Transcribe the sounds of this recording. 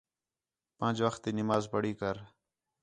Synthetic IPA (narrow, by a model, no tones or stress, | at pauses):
pə̃ːd͡ʒʋəxt̪iːnɪmaːzpəɽiːkəɾ